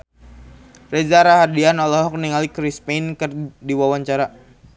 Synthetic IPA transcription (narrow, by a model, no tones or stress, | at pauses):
rezaɾaɦadianɔlɔɦɔk̚niŋalikɾispejnkərdiwawaɲt͡ʃaɾa